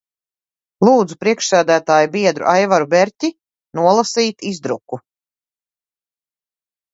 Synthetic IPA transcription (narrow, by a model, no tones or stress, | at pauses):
lˠuːd̪zupɾiɛkʃsæːd̪æːt̪aːjubiɛd̪ɾṵʔajvaɾubɛɾʲt̪ʲi | nuɔlˠasiːt̪izd̪ɾuku